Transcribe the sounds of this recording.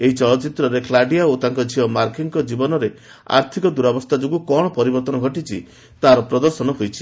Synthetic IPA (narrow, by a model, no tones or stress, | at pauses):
eɦit͡ʃɔlɔt͡ʃit̪ɾɔɾeklaɖiaot̪aŋkɔd͡ʒʱiɔmaɾkiŋkɔd͡ʒibɔnɔɾe | a̰ɾt̪ʰikɔd̪uɾabɔst̪ʰad͡ʒoɡukɔɽ̃ɔpɔɾibɔɾt̪ɔnɔɡʱɔʈit͡ʃʰḭ | t̪aɾɔpɾɔd̪ɔɾsɔnɔɦojt͡ʃʰi̥